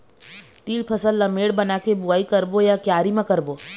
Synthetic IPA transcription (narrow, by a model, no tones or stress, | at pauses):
t̪iːlpʰɐsəlːɐmeːɽbɐnakebʊaːikɐɾbojakjaːɾimãkɐɾboː